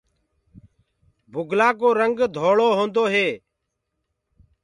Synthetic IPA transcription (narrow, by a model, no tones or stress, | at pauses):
bʱʊɡʱlaːkoːɾəŋɡd̪ʱoːɭoːɦõːnd̪oːɦeː